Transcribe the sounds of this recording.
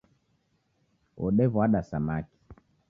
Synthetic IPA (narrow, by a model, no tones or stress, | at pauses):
ɔɗɛvwaɗasamaki̥